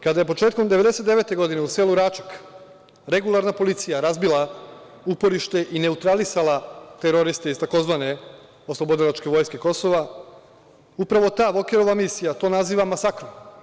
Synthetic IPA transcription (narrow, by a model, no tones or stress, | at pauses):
kad̪aje̞po̞t͡ʃeːt̪̚komd̪e̞ʋe̞d̪eset̪d̪eʋe̞ːt̪e̞ɡo̞d̪ineuse̞luɾaːt͡ʃḁk | ɾe̞ɡulˠaɾnapo̞lit̪sijaɾazbilˠa | upo̞ɾiʃt̪e̞ʔine̞ut̪ɾalisalˠat̪eɾo̞ɾist̪eist̪ako̞zʋane̞ | o̞slˠo̞bod̪ilˠat͡ʃke̞ʋo̞jske̞ko̞so̞ʋa | upɾaʋo̞t̪aːʋo̞keɾo̞ʋamisijat̪o̞ːnaziːʋamasakɾo